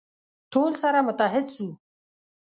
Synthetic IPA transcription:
ʈʰoːlsaɾamʊt̪aɦɪd̪su

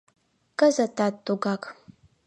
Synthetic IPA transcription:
kʼɐzɐtʰaːtʼːuɡaːkʰʼ

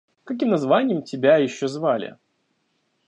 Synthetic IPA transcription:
kɐk̬ʲimnɐzvanʲɪjəmtʲɪbʲajɪɕːozvalʲɪ̰

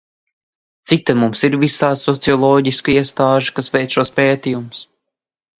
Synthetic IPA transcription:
t̪sik̚t̪amumsiɾvisaːd̪sɔt̪siɔlˠɔːɟiskuiɛst̪aːʒu̥kasvʲɛjt̪ʃuɔspeːt̪ijums

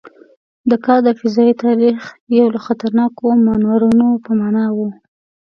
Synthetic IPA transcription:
d̪əkɑɾd̪əfɪzɑit̪ɑɾixjawlaxat̪aɾnɑkomanwaɾunopəmɑnɑwu

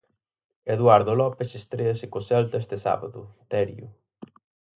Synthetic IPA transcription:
eðwaɾðʊlɔpesest̪ɾeɐsɪkosɛlt̪est̪esa̰βa̰ðʊt̪ɛɾjʊ̰

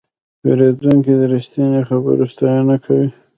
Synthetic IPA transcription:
peɾed̪uŋkid̪əɾist̪inexabə̰ɾost̪ɑjanakʰawi

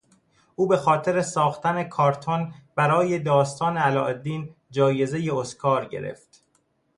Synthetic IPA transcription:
ʔuːbe̞xɒːt̪ʰe̞ɾe̞sɒːxt̪ʰæne̞kʰɒːɾt̪ʰonb̥æɾɒːje̞d̪ɒːst̪ʰɒːneælɒ̰ːʔed̪ːiːn | d͡ʒɒːje̞ze̞jeoskʰɒːɾɟe̞̰ɾḛft̪

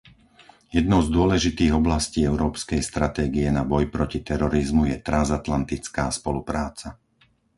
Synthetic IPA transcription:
jɛd̪nɔʊzd̪ʊɔlɛʒit̪iːɣɔblasciːɛʊɾɔːpskɛjst̪ɾat̪ɛːɡiɛnabɔjpɾɔcit̪ɛɾɔɾizmujɛt̪ɾanzat̪lant̪it͡skaːspɔlupɾaːt͡sa

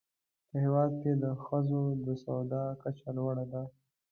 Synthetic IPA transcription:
pəhewɑd̪̚ked̪əxəzod̪əsawd̪ɑkat͡ʃalwaɽad̪a

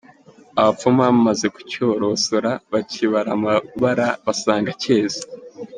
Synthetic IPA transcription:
aβafumamaze̞ku̥coːɾo̞soɾaβaciβaɾamaβaɾaβasaːŋɡace̞ːzḁ

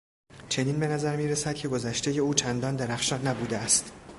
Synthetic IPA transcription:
t͡ʃʰe̞niːnbe̞næzæɾmiːɾesæd̪̚cʰe̞ɡo̞zæʃt̪e̞je̞uːt͡ʃʰænd̪ɒːnd̪æɾæxʃɒːnːæbuːd̪eæst̪

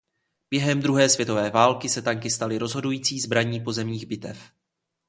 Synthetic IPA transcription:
b̥jɛɦɛmd̪ɾuɦɛːsvjɛt̪o̞vɛːvaːlkɪsɛt̪aŋkɪst̪alɪɾo̞zɦo̞dujiːt͡siːzbɾaɲiːpo̞zɛmɲiːɣbɪt̪ɛf

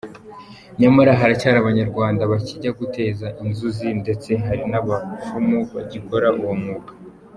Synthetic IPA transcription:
ɲamaɾaɦaɾacaɾaβaɲaɾɡwaːndaβaciɟaɡutʰe̞ːzaʔinzuzinde̞t͡se̞ɦaɾinaβafumuβa̰ɟiko̞ɾaʔuwomŋuːkḁ

